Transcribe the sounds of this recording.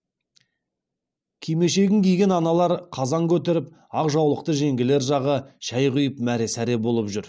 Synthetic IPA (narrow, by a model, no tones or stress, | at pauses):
kʲʰijme̞ʃe̞ɡʲɪŋkʲʰejɡʲe̞nɑnɑlˠɑɾqʰɑzɑŋkʲʰɵt̪e̞ɾɪp | ɑqʒɑwlˠəq̚t̪əʒe̞ŋɡʲɪle̞ɾʒɑʁəʒ̥æjʁʏjəpmæɾe̞sæɾe̞bo̞lˠəpʒʏɾ